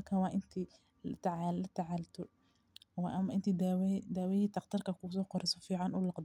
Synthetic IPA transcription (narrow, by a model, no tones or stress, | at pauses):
ɐrkʰaːwɑːʔɪnt̪ʰiː | lt̪ʰʕalɐt̪ʰaʕaːlt̪ʰɔ | wɑʔɐmɐʔɪnt̪ʰiːd̪wd̪aːwɛhiːt̪ʰɑqt̪ʰɪrkʰɐkʰusɔːqɔɾɛsɔfiːʕɑnʊlɑqd̪